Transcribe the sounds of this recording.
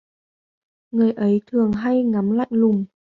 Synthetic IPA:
ŋɨ˨˩əjʔə˨˦jt̪ʰɨ˨˩əŋɦa˧jŋa˨˦mla̰ː˧˨jŋlʊ˨˩ŋ͡m

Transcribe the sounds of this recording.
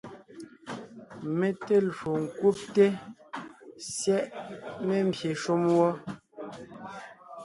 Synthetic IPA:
me˦te˦lu˨ŋ̩˨ku˦p̚te˦ | sjɛ˦ʔme˦m̩˨bje˨ʃu˦mwɔ˦

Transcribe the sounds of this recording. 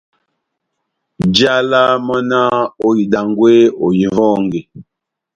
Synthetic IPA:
d͡ʒa˦la˦mɔ˦na˦o˨ji˨da˨ŋɡwe˦o˨ji˨vɔ˦ŋɡe˨

